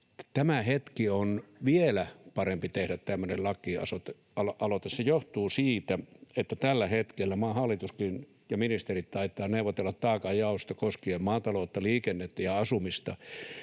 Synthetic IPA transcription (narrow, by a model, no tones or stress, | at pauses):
t̪æmæhet̪kionʋielæpɑrempit̪ehdæt̪t̪æmːønellɑkːiɑ̰sot̪e | ɑlʔɑlot̪essejoht̪uːsiːt̪æet̪ːæt̪ælːæhet̪kelːæmɑːhɑlːit̪uskin | jɑminist̪erit̪t̪ɑit̪ˑːɑːneuʋːˑot̪elːɑt̪t̪ɑːkɑjɑˑust̪ɑkoskieːmmɑːt̪ɑloːt̪ːɑliːkenːet̪ːæjɑɑsumist̪ɑ